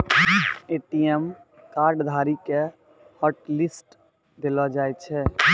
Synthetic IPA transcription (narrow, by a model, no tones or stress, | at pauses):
eːʈijɛm | kaːɾɖd̪ʱaːɾike | hɔːʈlɪsʈ | d̪ɪlad͡ʒaːet͡ʃʰɛː